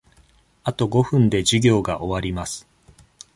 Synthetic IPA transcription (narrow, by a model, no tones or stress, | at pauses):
at̪o̞ɡo̞ɸɯ̟̃nd̪e̞ʑiɡʲo̞ːɡaʔo̞βaɾʲimasɨ̥